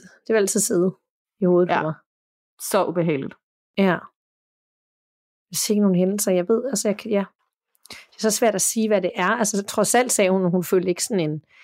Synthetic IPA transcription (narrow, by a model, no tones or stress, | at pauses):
d̥eɑælt͡sʰið̰ˠse̝ð̩ˠ | iho̝ːð̩ˠʰɒmɑ̈ɪ | sɒ̽ʔub̥eɦɛ̰ɪlid̥ | jæ | eseɡ̥əno̝ːn̩ɦenl̩sɐjɑ̈ɪʋe̝ð̞̰ˠɒsəjɑkʰjæ | d̥eɐsɒ̽sʋæɐ̰d̥æsiːʋæɾe̝ʔæɐælsət͡sʰʁɒ̽sæl̰d̥sɛːhunhunføljdəe̝ɡ̥əsɒ̽ne̝n